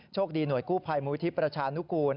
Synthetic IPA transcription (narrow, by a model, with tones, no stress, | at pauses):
t͡ɕʰoː˥˩k̚diː˧nu˨˩əjkuː˥˩pʰa˧jmuː˧˦i˦t̪ʰi˦˥pɾa˧t͡ɕʰaː˧nu˦˥kuː˧n